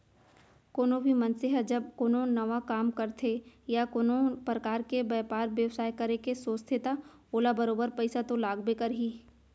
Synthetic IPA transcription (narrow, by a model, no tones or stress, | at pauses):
koːnobʱimɐnseɦɛd͡ʒɐb̚koːnonɐʋakaːmkɐɾt̪ʰejakoːnopɾɐkaːɾkebɛːpaːɾʋjɐʋsaːjkɐɾekesoːst̪ʰet̪a | oːlabɐɾoːbəɾpɛɪsat̪olaːɡbekɐɾɦiː